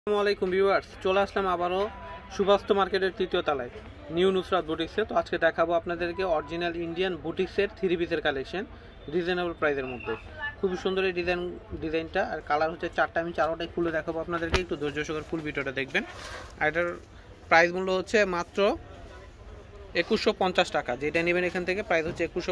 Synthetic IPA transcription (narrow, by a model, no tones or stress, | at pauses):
amalejkumbibaɾst͡ɕoleat͡ɕʰlamabaɾoʃubʱast̪ʰomaɾkeʈeɾt̪ɾit̪iot̪alae | niunusɾad̪̚buʈikset̪oad͡ʑked̪ɛkʰaboapnad̪eɾkeɔɾid͡ʑinaliɳɖianbuʈikseɾt̪ʰiɾibʱit̪eɾkaleʃen | ɖizajnabaɾpɾajzeɾmod̪ʱːe | kʰubiʃund̪oɾeɖizanɖizajnʈaːɾkalaɾɦotːɕʰet͡ɕaɾʈaamit͡ɕaɾoʈajkʰuled̪ɛkʰaboapnad̪eɾkeek̚ʈud̪oɾd͡ʑoʃoɡaɾfulbiʈoɾʈad̪ek̚ʰbenaɾeʈaɾ | pɾajzmulːoɦotːɕʰemat̪ːɾo | ekuʃːopɔnt͡ɕaʃʈakad͡ʑeʈanibenekʰant̪ʰekepɾajzɦotːɕʰeekuʃʃo